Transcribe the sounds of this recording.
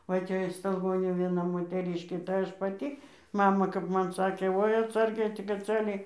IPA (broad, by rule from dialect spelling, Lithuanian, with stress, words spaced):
ʋɐ ˈtʲɛ ɪʃ stɐlˠˈɡoːnʲuː ʋʲiɛˈnɐ moːtʲɛˈrʲiːʃʲkʲeː tɐɪ ˈɐʃ pɐˈtʲiː ˈmɑːmɐ kɐp ˈmɐn ˈsɑːkʲeː ˈʋoːɪ ɐtˈsɐrʲɡʲɛɪ tʲɪk ɐtˈsɐrʲɡʲɛɪ